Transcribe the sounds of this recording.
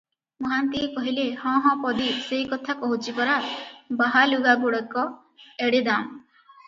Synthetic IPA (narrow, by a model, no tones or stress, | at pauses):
mɔɦant̪iekɔɦilehɔ̃ɦɔ̃pɔd̪iseɦikɔt̪ʰakɔɦut͡ʃipɔɾabaɦaluɡaboɽɔkɔ | eɽed̪am